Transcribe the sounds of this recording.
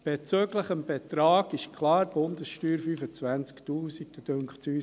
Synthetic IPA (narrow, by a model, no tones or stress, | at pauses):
b̥et͡søːɡləχəmb̥et̪ɾɑːɡ̥ɪʃkʰlɑːɾb̥ʊnd̪əsʃtyːɾfyfət͡sʋænt͡skt̪uːsik̚d̥əd̥øŋkχsyːs